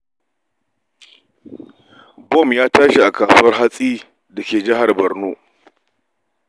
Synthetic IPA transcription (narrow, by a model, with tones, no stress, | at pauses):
bɔ˦˨mjaː˦taː˦ʃi˨ʔa˨kaː˨su˦wɐ˦rɦa˦sʼiː˦ | dɐ˨kʲeː˨d͡ʒɪ˦ɦa˨rbɐ˨rnoː˦